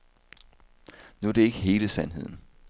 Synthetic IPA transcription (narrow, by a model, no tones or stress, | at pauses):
nuɐdɾ̥e̝e̝ɡ̥əɦe̝ːləsænɦe̝ð̞̰ˠn̩